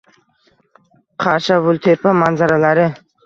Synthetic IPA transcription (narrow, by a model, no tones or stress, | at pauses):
qʰɑɾʃavʊlt̪ʰepʰamanzaɾalaɾɪ